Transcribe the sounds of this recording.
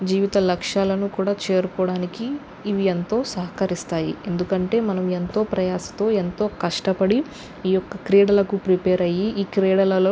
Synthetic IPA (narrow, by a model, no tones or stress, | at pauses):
d͡ʒiːʋit̪ɐlɐkʂaːlɐnukuːɽaːt͡ʃeːɾukɔːɽaːnikiː | ʋient̪o̞ːsɐɦɐkɐɾist̪aːjḭe̞nd̪ukɐɳʈe̞ːmɐnɐme̞nt̪o̞ːpɾɐjaːsɐ̥t̪o̞ːe̞nt̪o̞ːkɐʂʈɐpɐɽi | iːjɔkːɐkɾeːɽɐlɐkupɾipeːɾɐjiiːkɾeːɽɐlɐlo